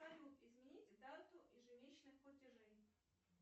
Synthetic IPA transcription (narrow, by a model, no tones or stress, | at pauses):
ad̪ʲut̪ɪzmʲɪnʲitʲd̪at̪ʊʔiʐɨvʲet͡ɕnɨxplˠətʲɪʐɛj